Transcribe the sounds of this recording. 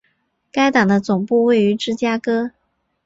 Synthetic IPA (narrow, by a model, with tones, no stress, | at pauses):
ka˥ɪt̪ɑ˨˩ŋd̪ə˦t͡sʊ˨˩ŋpu˥˧we˥˩ɪy˧˥ʈ͡ʂɻ̩˥˩t͡ɕja˥kɤ˥